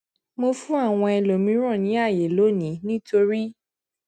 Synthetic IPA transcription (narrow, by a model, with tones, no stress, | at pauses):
mo˧fũ˦a˦˨w̃ɔ̃˧ɛ˧lo˨mĩ˨˦ɾ̃ɔ̃˦˨nĩ˨˦a˦˨je˨lo˨˦nĩ˨˦nĩ˦to˧ɾi˦